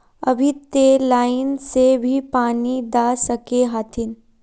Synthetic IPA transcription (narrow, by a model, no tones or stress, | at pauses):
ɐbʱit̪elaːɪnsebʱipaːnid̪aːsɐkeɦaːt̪ʰɪn